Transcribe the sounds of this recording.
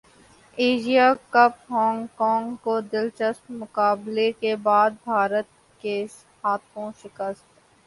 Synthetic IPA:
eːd͡ʒijakɐpɦɔːŋɡkɔːŋɡkod̪ɪlt͡ʃəst̪mʊkaːblekebaːd̪̚bʱaːɾət̪̚ | ke | haːt̪ʰõʃɪkəst̪ː

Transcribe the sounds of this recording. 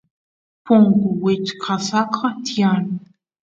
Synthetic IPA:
pʊŋkʊwɪt͡ʃkʰɑsɑqʰɑt̪ijan

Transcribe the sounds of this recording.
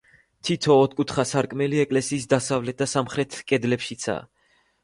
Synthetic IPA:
t̪ʰit̪ʰɔːt̪̚kʼut̪ʰχasaɾkʼmɛliɛkʼlɛsiːsd̪asavlɛt̪̚d̪̥asamχɾɛt̪ʰkʼɛd̪lɛpʃit̪sʰa̰ː

